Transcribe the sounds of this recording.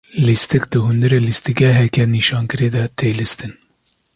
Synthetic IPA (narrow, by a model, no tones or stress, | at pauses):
list̪ikd̪ɨhund̪ɨɾeːlist̪ikɛɦɛkɛniːʃɑːnkɨɾeːd̪ɐt̪ʰeːlist̪ɨn